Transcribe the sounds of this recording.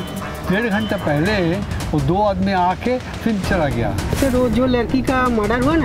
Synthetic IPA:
d̪eːɽɡʱɐ̃ɳʈepɛɦleɦod̪oːaːd̪miaːkʰe | fʰɪnt͡ʃɐlaɡɐja̰ːsɪɾod͡ʒoːlɐɾkikamɐɖəɾɦanː

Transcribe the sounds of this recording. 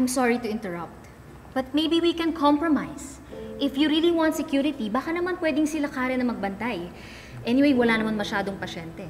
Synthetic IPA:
ɐjmsɔɹit̪ʊɪ̃nt̪ɛɹɐp̚t̪ | b̥ɐt̪̚mejbiwikɛ̃nkʰɔ̃mpɹomajs | ʔɪfjuɾiliwãnt̪sɛkjuɾɪt̪ibakanɐmanpwɛd̪ɪŋsɪlakaːɾɛnɐmɐɡ̚bɐnt̪aj | ʔɛnɪwejwɐlanɐmanmɐʃaːd̪oŋpɐʃɛnt̪ɛ

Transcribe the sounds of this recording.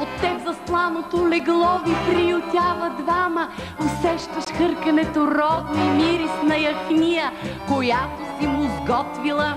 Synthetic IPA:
ot̪ːɛbzɐslˠanot̪olɛɡlˠɔvipɾijʊt̪ʲavɐd̪vamə | osɛʃt̪ɐʃxɤɾkɐnɛt̪oɾɔd̪nimiɾisnɐjɐxnijəkojat̪osimʊzɡɔt̪vilˠə

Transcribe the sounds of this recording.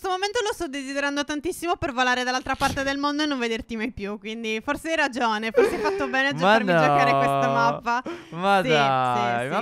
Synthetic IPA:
st̪omoment̪olost̪ɔd̪ːezid̪eɾand̪ot̪ant̪isːimopervolaːɾed̪alːalt̪ɾapart̪ed̪elmond̪oenːõɱved̪ert̪imajpjukwind̪iforseajrad͡ʒoːneforseajfat̪ːobɛːnead͡ʒmaɾnid͡ʒɔekaɾewest̪amavːamasd̪ajma

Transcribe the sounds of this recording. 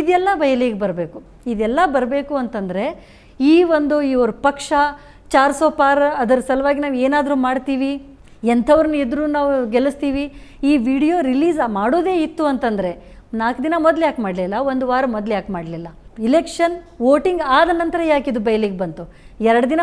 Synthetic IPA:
id̪jɛlːɐbɐjɐliːɡbɐɾbe̞ːku | id̪ɛlːɐbɐɾbe̞ːkuɐnt̪ɐnd̪ɐɾe̞ | iːʋond̪uiːoɾupɐkʂɐ | t͡ʃaːɾsoːpaːɾɐd̪ɐɾsɐlɐʋaːɡinaːʋeːnaːd̪ɾuːmaːɖt̪iːʋi | ent̪ʰɐʋɐɾɐnːued̪ɾuːnaːʋuɡelust̪iːʋiiːʋiːɽijo̞ːɾiliːzmaːɽoːd̪e̞ːit̪ːuɐnt̪ɐnd̪ɐɾe̞ | naːkd̪inɐmɔd̪ljaːkmaːɖlilːɐʋo̞nd̪uʋaːɾɐmɔd̪ljaːkmaːɽlilːɐilekʂɐnʋoːʈiŋɡaːd̪ɐnɐnt̪ɐɾɐjaːkid̪ubɐjɐliːɡ̚bɐnt̪u | ɛɾɐɽɐd̪inɐ

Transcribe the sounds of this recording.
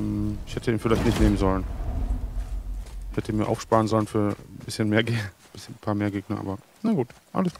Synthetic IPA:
ɛmɪçhɛtʰəiːnfɪlaɪçtnɪçtneːmənzɔlən | ɪçhɛtəiːnmiɐʔa̰ʊfʃpaːʁənzɔlənfyːɐbɪsçənmeːɐɡe | b̥ɪsçənpʰaːɐmeːɐɡeːɡnɐʔa̰ːbɐ | naɡuːtʔa̰ləsɡ̥ː

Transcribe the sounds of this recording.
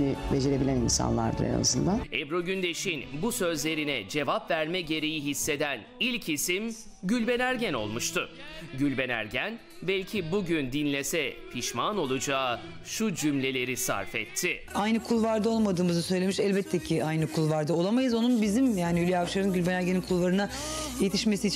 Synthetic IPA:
nibed͡ʒeɾebilʲæninsa̰nlˠa̰ɾd̪ɯ̰ɾa̰na̰zɯnd̪anɛbɾo̞ɟynd̪e̞ʃinbusø̞zlʲe̞ɾinɛd͡ʒe̞vapvæɾmɛɟe̞ɾe̞jiɦisːe̞d̪ænilʲcʰisim | ɟylʲbe̞næɾɟæno̞̰lˠmuʃt̪ʰʊ | ɟylʲbe̞næ̰ɾɟæn | bɛlʲcʰibuɟynd̪inlʲesɛpʰiʃmano̞lˠud͡ʒaː | ʃud͡ʒymlʲe̞lʲe̞ɾisa̰ɾfɛ̰t̪ʰːɪajnɯkʰulˠvaɾd̪ɯolˠmad̪ɯːmɯzɯsø̞jlʲe̞miʃɛlʲbɛt̪ʰːecʰiʔajnɯkʰulˠvaɾd̪ɯo̞lˠamajɯzo̞nunbizimjaːniylʲijafʃaɾɯnɟylʲbe̞næɾɟeninkʰulˠvaɾɯna | je̞t̪ʰiʃme̞siːt͡ʃʰ

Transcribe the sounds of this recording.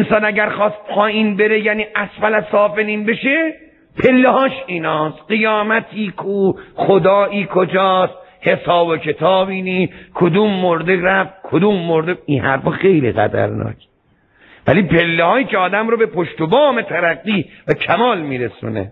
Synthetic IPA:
ensɒːnæɟæɾxɒːst̪̚hʰɒːiːnbe̞ɾejæniːʔæsfælæsɒːfeniːnbeʃe | pʰe̞lːehɒːʃiːnɒːsɢijɒːmæt̪ʰiːkʰuːχod̪ɒːʔiːkʰod͡ʒɒːst̪he̞sɒːbokʰe̞t̪ʰɒːbiːniːkʰod̪uːmːoɾd̪eɾæfkʰod̪uːmːoɾd̪einhæ̰ɾfɒːxe̞jlḭɣæ̰d̪æ̰ɾnɒ̰ːkʰ | vælipʰe̞lːehɒːiːceɒːd̪æmɾobe̞pʰoʃt̪obɒːme̞t̪ʰæɾæɡːiːvækʰæmɒːlmiːɾesṵːnḛ

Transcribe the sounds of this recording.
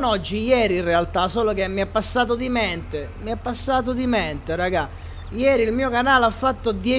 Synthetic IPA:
nɔd͡ʒːijɛːɾinrealt̪asoːlok̟emːiapːasːaːt̪̬od̪imɛnt̪e | miapːasːaːt̪̬od̪imɛnt̪eraɡa | jɛːɾilmiːokanaːlafːat̪ːod̪jɛ

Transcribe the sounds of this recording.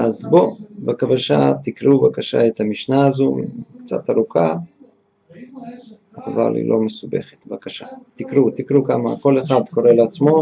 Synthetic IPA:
azbo̞bakavaʃat̪ikɾubakaʃa̰et̪hamiʃnaːzukt͡sa̰t̪aɾukʰa | ava̰lḭlʔo̞mesube̞̰χet̪bakaʃat̪ikɾut̪ikɾukama̰ko̞leχad̪ko̞ɾeleat͡smo̞

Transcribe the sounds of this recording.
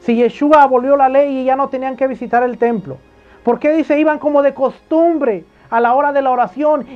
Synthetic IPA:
siʝe̞ʃuaβo̞lβjo̞lale̞jiʝano̞t̪e̞niaŋke̞β̞isit̪aɾe̞lt̪e̞mplo̞̰ | po̞ɾke̞ðise̞iβaŋko̞mo̞ðe̞ko̞st̪umbɾe̞ | alao̞ɾaðe̞laoɾasjo̞n

